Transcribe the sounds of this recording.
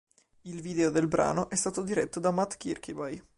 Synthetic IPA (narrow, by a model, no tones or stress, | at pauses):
ilviːd̪eod̪elbɾʔa̰ːnoʔɛst̪aːt̪od̪iɾɛt̪ːod̪amat̪ːkirkʰibaj